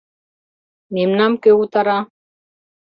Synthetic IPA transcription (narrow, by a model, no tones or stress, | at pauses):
memnamkeut̪aɾa